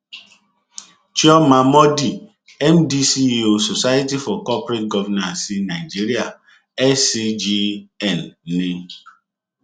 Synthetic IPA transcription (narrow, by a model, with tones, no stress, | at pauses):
t͡ʃɔ˦ma˨mɔ˦di˨ | ɛ˦mdi˦si˦˨o˨so˨sa˦ja˦ti˦fɔ˨kɔ˦pɾe˦t̚ɡɔ˦vɛ˦na˨si˦na˨ɪ˨d͡ʒi˦ɾi˦a˨ | ɛ˦si˦d͡ʒi˦ɛ˦˨nːe˦